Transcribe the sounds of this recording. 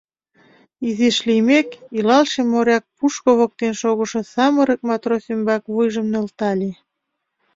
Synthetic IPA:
iziʃlimekilɑlʃemːoɾʲɑk̚puʃkoβok̚t̪enʃoɣŏʃŏsɑməɾə̆k̚mɑt̪rosymbɑkβujʒə̆mnĕlt̪ɑlʲe

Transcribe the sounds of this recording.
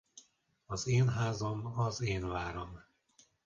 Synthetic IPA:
ɒzeːnɦaːzomɒzeːnvaːɾom

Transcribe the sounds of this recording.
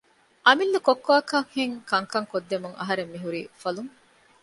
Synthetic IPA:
ʔɐmilːukokːaːkɐŋheŋkɐŋkɐŋkod̪ːemuŋɐ̰ɦɐɾemːiɦuɾiːfɐluŋ

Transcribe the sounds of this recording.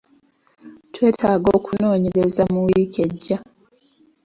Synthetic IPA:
twe̞ːtʰaːɡo̞ːkuno̞ːɲe̞ɾezamuwike̞ɟːa

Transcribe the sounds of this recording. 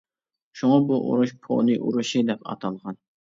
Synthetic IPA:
ʃuŋɑbuʔṵɾuʃpʰo̰nɨʔṵɾuʃid̪ɛpɑ̰t̪ʰɑlˠʁɑn

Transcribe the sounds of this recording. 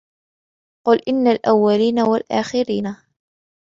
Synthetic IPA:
qʊlʔɪnːalʔawːaliːnawalʔaːxɪɾiːna

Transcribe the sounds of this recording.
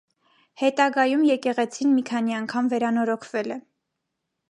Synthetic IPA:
hɛt̪ɑɡɑjumjɛkɛʁɛt͡sʰinmikʰɑniɑŋkʰɑmvɛɾɑnɔɾɔkʰvɛlɛ

